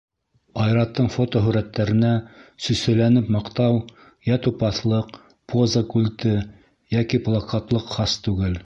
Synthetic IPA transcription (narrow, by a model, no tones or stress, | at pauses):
ɑjɾɑt̪ːɤɴfot̪oɦɵɾæt̪ːæɾɘ̆næsɵ̆sɘ̆lænɘpmɑqt̪ɑw | jæt̪upɑθlˠɤq | pozəkʉlʲt̪ɘ | jækiplˠɑkɑt̪lˠɤqχɑst̪ʉɡɘl